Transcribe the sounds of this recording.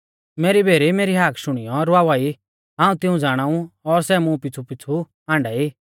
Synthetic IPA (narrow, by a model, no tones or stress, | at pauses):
meːɾibʱeːɾimeːɾiɦaːkʰʃʊɽ̃ɪjɔɾʊaːʋaːi | ɦãːũt̪ɪũd͡zaːɽ̃aːũɔɾsɛːmũpɪt͡sʰupɪt͡sʰu | ɦãːɳɖaːiː